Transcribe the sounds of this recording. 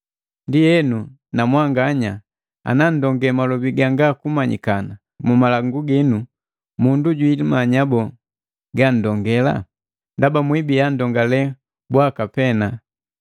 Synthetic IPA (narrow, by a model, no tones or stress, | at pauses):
ndijɛnu | namwaŋɡaɲa | a̰nan̩dɔŋɡɛmalɔbiɡaŋɡakumaɲḭkana | mumalaŋɡuɡɛnu | munduɟwilimaɲabɔ | ɡan̩dɔŋɡɛla̰ | ndabamwibijan̩dɔŋɡalɛ | bwakapɛna